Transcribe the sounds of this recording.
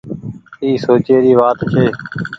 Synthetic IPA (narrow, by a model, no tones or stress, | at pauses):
iːsoːt͡ʃeːɾiːʋaːt̪t͡ʃʰeː